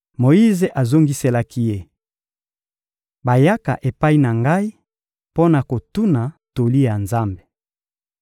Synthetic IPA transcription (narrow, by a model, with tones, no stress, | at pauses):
mo˨ji˦ze˨ʔa˨zo˦ŋɡi˦se˦la˦ki˦je˦ | ba˨ja˦ka̰˨ʔe˨pa˦i˦na˨ŋɡa˦i˦ | po˦na˨ko˨tu˦na˨to˨li˦ja˨nza˦mbe˨